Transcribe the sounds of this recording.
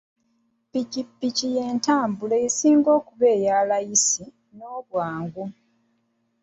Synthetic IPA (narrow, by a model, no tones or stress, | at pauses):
picipːicije̞ːntaːmbuleisiːŋɡo̞ːkuβeːjaːlajisi | no̞ːβwaːŋɡu